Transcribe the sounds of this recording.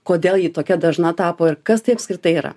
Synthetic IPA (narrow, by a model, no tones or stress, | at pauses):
koːd̪ʲeːlˠjiːt̪oːkʲɛd̪ɐʒnɐt̪ɑːpoːɪrkɐst̪ɐɪɐpskɾʲɪt̪ɐɪiːɾɐ̰